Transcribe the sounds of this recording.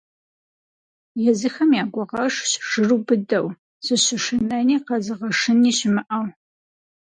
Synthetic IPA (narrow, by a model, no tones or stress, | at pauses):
jɛzɨxɐmjaːɡʷɔʁɐʂɕʒ̥ɨruːbɨdɐw | z̥ɨɕɨʃɪnɐniːqɐzɨʁɐʂɨniːɕɪmɨʔɐw